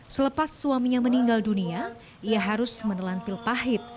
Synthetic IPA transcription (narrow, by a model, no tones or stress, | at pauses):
sələpasːuamiɲaməniŋɡaldunia | iaɦaɾʊsmənəlanpɪlpaɦɪt̪̚